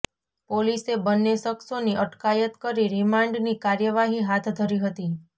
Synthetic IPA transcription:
polisebənːeʃəksoniʔəʈkajət̪kəɾiɾimãɳɖnikaɾjəʋaɦiɦat̪ʰd̪ʱəɾiɦət̪i

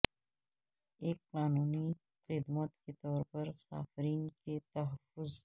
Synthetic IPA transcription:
ekqɑːnuːni | xɪd̪mat̪ket̪ɔːɾpaɾsɑ̰ːfɾiːnket̪aɦafʊz

